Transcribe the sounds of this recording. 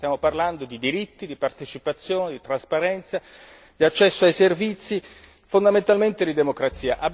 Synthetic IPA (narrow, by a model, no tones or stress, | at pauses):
t̪jaːmoparland̪od̪id̪iɾit̪ːid̪ipart̪et͡ʃipat̪sːjoːned̪it̪ɾaspaɾɛnt̪sa | d̪iat͡ʃːɛsːoajservit̪sːi | fond̪ament̪alment̪ed̪id̪emokɾat̪sːiːaʔab